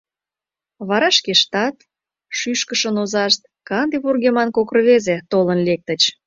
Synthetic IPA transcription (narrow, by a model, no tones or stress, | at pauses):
βɑɾɑʃkeʃt̪ɑt̪ | ʃyʃkəʃənozɑʃt̪̚kɑnd̪eβurɣemɑnkokrəβezet̪olənlek̚t̪ət͡ɕ